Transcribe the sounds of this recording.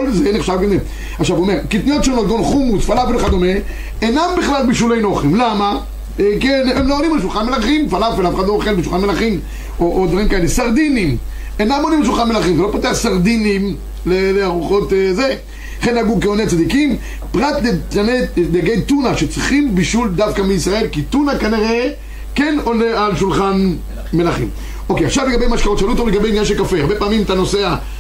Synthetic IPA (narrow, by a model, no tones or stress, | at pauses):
kolzeneχʃavkanze | aχʃavuomeʁkit̪nijot̪ʃonot̪̚ɡonχumusfalafelχad̪o̞me | enambiχlalbiʃulejnoχimlama | kenemloolimaʃulχanmelaχimfalafelafe̥xad̪loχelbeʃuχanmelaχim | oʔod̪vaʁimkaelesaʁd̪inim | enamolimalʃ̬ulχanmelaχimzelo̞poteaχsaʁd̪inim | leleaʁuχo̞t̪ze | χenaɡukeonet͡sad̪ikim | pʁat̪detaned̪aɡejt̪unaʃet͡sʁiχimbiʃuld̪afkamiisʁae̞lkit̪unakaniʁe | keno̞nealʃulχan | me̞laχḭm | o̞keaχʃavleɡabejmaʃkao̞t̪ʃalut̪oleɡabejimnɲanʃ̬elkafeaʁbepaːmimt̪ano̞sea